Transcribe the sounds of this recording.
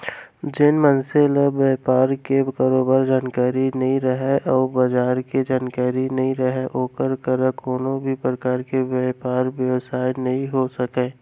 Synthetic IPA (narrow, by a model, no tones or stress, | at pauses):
d͡ʒɪnmənseləbeːpaːɾkekaːɾoːbaːɾd͡ʒaːnkaːɾinɐɦĩɾəɦeʔɔːbɐd͡ʒaːɾked͡ʒaːnkaːɾinɐɦĩɾəɦeʔoːkəɾkəɾəkoːnõbʱipɾəkaːɾkeʋjeːpaːɾʋjəʋsaːjnɐɦĩɦosəkeː